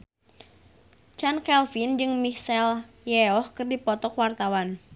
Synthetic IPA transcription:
t͡ʃankɛlfind͡ʒɨŋmisɛl | jɛɔhkərdipɔt̪ɔkwart̪awan

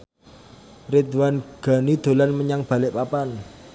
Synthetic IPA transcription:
red̪wanɡ̥a̤nid̪̥o̤lanməɲaŋb̥ä̤lɪʔpapan

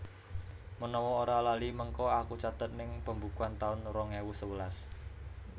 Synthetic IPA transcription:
mənɔwɔːɾalaliməŋkɔakut͡ʃat̪ət̪̚nɪŋpəmbukuant̪aʊnrɔŋewusəwəlas

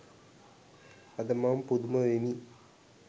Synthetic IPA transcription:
ɐd̪ɐmaːmpud̪umɐʋeni

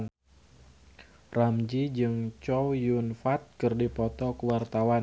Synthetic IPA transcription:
n | ramd͡ʒid͡ʒɨŋt͡ʃɔwjunfat̪̚kɨrdipɔt̪ɔkəwart̪awan

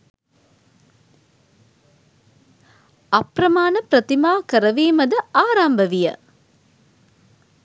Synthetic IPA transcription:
ɐprɐmaːnɐpɾɐt̪imaːkəɾɐʋeːmɐd̪əaːɾambəʋijə̰

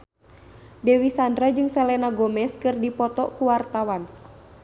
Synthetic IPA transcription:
dɛwisandɾad͡ʒɨŋsɛlɛnaɡɔmɛskɨrdipɔt̪ɔkuwart̪awan

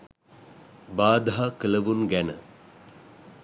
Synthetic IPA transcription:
baːd̪aɦakələʋunɡænə̰

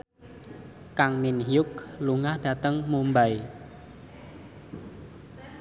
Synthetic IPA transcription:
kaŋminɦjʊk̚luŋahɖ̥ä̤t̪əŋmumbaj

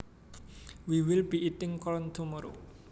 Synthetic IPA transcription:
wiwɪlbiʔit̪ɪŋkɔlɔnd̪omoɾo

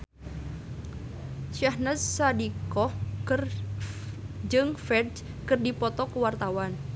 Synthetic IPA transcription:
ʃahnasadikɔhkɨr | d͡ʒɨŋfɛd | kɨrdipɔt̪ɔkəwart̪awan

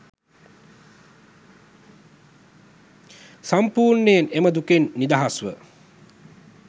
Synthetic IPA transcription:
sampuːɾnəjeneməd̪ukenːid̪aɦasʋə

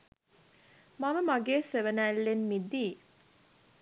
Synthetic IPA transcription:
maməmaɡeːseʋənæːlːenmid̪iː

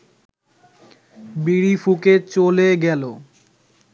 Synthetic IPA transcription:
biɾifuket͡ɕoleɡɛlo

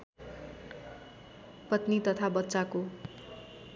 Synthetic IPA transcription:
pʌt̪nit̪ʌt̪ʰabʌtːsako

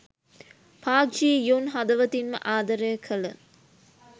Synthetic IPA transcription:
pʰaːkd͡ʒiːjonɦɐd̪ɐʋɐt̪inmə̰ʔaːd̪ɐɾəjəkʰələ

